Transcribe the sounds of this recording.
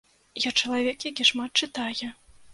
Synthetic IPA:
jat͡ʂɐlˠavʲɛkjakʲiʂmat̪̚t͡ʂɨt̪ajɛ

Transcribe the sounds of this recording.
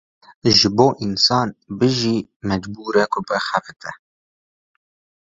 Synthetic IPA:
ʒɨboːʔinsɑːnbɨʒiːmɛd͡ʒbuːɾɛkʰʊbɛxɛfɨt̪ʰɛ

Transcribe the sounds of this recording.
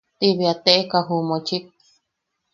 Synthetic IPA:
t̪iβiat̪eʔekaɦumõt͡ʃʰit̚

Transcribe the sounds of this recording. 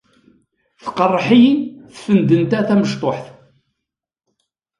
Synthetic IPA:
θqərˤːħijinθfənd̪ənt̪æθæməʃt̪ˤoħθ

